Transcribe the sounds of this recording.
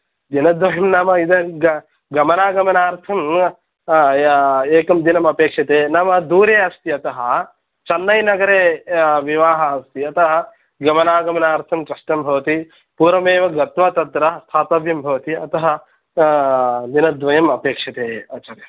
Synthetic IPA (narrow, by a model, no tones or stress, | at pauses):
d̪inɐd̪ʋɐjɐmnamɐid̪ɐɡ | ɡɐmɐnaːɡɐmɐnaːɾt̪ʰɐm | eːkɐmd̪inɐmɐpeːkʂɐt̪eːnɐmɐd̪uːɾeːɐst̪iɐt̪ɐɦɐ̆ | t͡ʃɐnːɐjnɐɡɐɾeːʋiʋaːɦɐːst̪iɐt̪ɐɦɐ | ɡɐmɐnaːɡɐmɐnaːɾt̪ʰɐmkɾɐʂʈɐmbʱɐʋɐt̪i | puːɾɐmeːʋɐɡɐt̪mɐt̪ɐt̪ɾɐɐst̪ʰaːtɐʋjɐmbʱɐʋɐt̪iɐt̪ɐɦɐ̆ | d̪inɐd̪ʋɐjɐmɐpeːkʂɐt̪eːɐt͡ʃɐɾjɐ